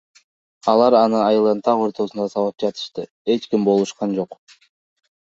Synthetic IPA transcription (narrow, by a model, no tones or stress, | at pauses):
ɑlˠɑɾɑnɯɑjɯlˠɑnt̪ʰɑqo̞ɾt̪o̞sund̪ɑsɑlˠɯp̚d͡ʒɑt̪ɯ̥ʃt̪ɯ | e̞t͡ʃkimbo̞lˠuʃqɑnd͡ʒo̞q